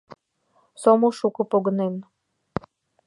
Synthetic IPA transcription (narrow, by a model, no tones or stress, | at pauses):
somuʃukɤ̆poɣɤ̆nen